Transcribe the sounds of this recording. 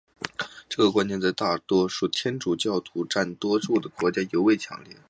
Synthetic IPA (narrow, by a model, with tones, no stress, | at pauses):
ʈ͡ʂɤ˥˩ɡə˩kwa˥njɛ˥˧nt͡sa˥˧ɪt̪a˥˩t̪wɔ˥ʂu˥˩t̪ʰjɛ˥nʈ͡ʂu˨˩t͡ɕjɑ˥˩ʊt̪ʰu˧˥ʈ͡ʂa˥˩nt̪wɔ˥ʂu˥˩d̪ə˩kwɔ˧˥t͡ɕja˥jo˧˥ʊwe˥˩ɪt͡ɕʰjɑ̰˧˥ŋljɛ˥˩